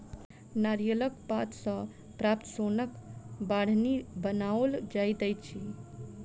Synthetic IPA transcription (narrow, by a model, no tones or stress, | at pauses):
naɾijələkpat̪sə̃ | pɾapt̪əsonəkbaɽ̤nibənaold͡ʒajd̪ɛjt̪t͡ʃʰi